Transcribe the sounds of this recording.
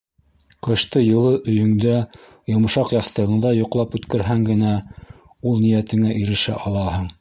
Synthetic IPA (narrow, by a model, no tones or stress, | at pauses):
qɤ̆ʃt̪ɤjɤ̆lˠɤʔɵ̆jɵ̆ŋd̪æ | jŏm̆ʃɑqjɑθt̪ɤ̆ʁɤ̆ɴd̪ɑjŏqlˠɑpʉt̪kæ̆ɾɦæŋɡɘ̆næ | ulˠnijæt̪ɘ̆ŋæʔiɾɘ̆ʃæ̰ʔɑlˠɑhɤɴ